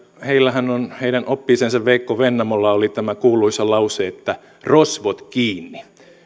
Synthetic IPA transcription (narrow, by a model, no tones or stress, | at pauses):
heilːæhænonheiɾænopːiːsensɑʋʋeikːoʋenːɑmolːɑolit̪æmækuːlˑuisɑlɑuseːet̪ːæ | rosʋot̪kiːnːi